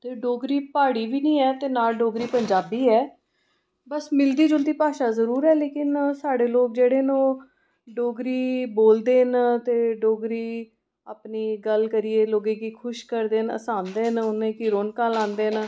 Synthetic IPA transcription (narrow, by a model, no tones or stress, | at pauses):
t̪eːɖoːɡɾiːpaːɽiːʋiːnĩːɛːt̪eːnaːlɖoːɡɾiːpəɲd͡ʒaːbiːɛː | bəsmɪld̪iːd͡ʒʊlt̪iːpaːʃaːzəɾuːɾɛːleːkɪnsaːɽeːloːɡ̚d͡ʒeːɽeːnõː | ɖoːɡɾiːboːld̪eːnt̪eːɖoːɡɾiː | aːpniːɡəlkəɾɪːeːloːɡẽːkiːkʰʊʃkəɾd̪eːnə̰saːnd̪eːɦnʊnẽːkɪɾoːnkãːlãːnd̪eːn